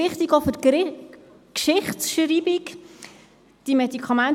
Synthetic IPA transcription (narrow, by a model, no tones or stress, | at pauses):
ɪχtiɡofʏɾk | kʃɪχsʃɾiːbik | d̥imɛdikʰɑmæn